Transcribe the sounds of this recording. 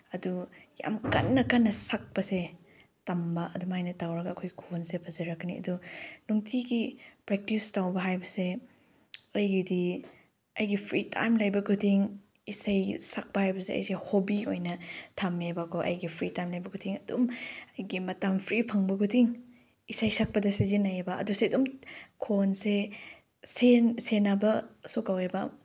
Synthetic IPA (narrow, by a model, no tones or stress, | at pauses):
ɐduja̰mkɐ̰nːɐkɐnːɐsak̚pɐse | tɐmbɐʔɐdumajnɐtawɾɐɡɐːkʰojɡikʰonsepʰɐzɐɾɐkːɐniɐ̰dunuŋtʰiɡipɾek̚tistawbɐɦajbɐse | ɐjɡidi | ɐjɡipʰɾitʰa̰jmlɐjbɐkʰutʰiŋ | isɐjsak̚pɐhajbɐseɐ̰jsehobiojnɐtʰamebakoʔɐ̰jɡipʰɾitajmlɐjbɐkʰutʰiŋɐdṵmɐjɡimɐtampʰɾipʰɐŋbɐkʰutʰiŋ | isajsak̚pɐdɐsezinajebɐɐ̰duseɐdumkʰonse | sensenabɐsukawebɐ